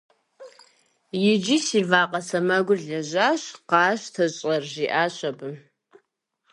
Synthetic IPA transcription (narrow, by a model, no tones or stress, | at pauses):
jɪd͡ʒisivaːqʼɐsɐmɐɡʷʊɮɐʑaːɕqɑːɕtʰɐɕʼɐrʒiʔaːɕɐbɨm